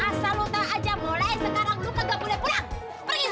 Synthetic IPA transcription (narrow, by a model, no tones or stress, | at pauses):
asalut̪aːd͡ʒamolajsəkaɾaŋlukəɡapulapula | pərɡiɦ